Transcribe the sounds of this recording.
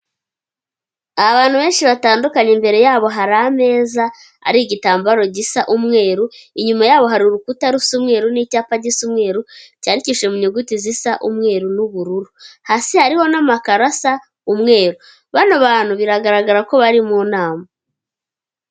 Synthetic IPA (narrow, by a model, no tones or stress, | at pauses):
aβaːnhuβe̞ːnʃiβataːndukaɲembe̞ɾe̞jaːβo̞ɦaɾame̞ːza | a̰ɾiɟitaːmbaɾo̞ɟisaʔumŋe̞ːɾuiɲumajaːβo̞ɦaɾiɾukutaɾusumŋe̞ːɾuniːcaːpaɟisumŋe̞ːɾucaɾiciːʃe̞muɲuɡutizisaʔumŋe̞ːɾunuβuɾuɾuhasihaɾiho̞namakaɾasa | umŋe̞ːɾu | βanaβaːn̥huβiɾaɡaɾaɡaɾako̞βaɾimuːnaːma